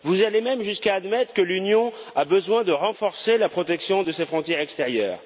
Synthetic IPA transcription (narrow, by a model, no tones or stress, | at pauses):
vuzalemɛmʒyskaːd̪mɛt̪χəkəlynjɔ̃ | abəzwɛ̃d̪əʁɑ̃fɔʁselapχɔt̪ɛksjɔ̃d̪əsefχɔ̃t̪jɛʁɛkst̪eʁjœːʁ